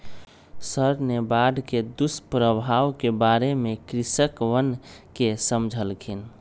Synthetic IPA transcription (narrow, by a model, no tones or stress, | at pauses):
səɾnebaɖʱked̪uspɾəbʱawkebaɾemekɾisəkʋənkesəmd͡ʒʱəlkʰin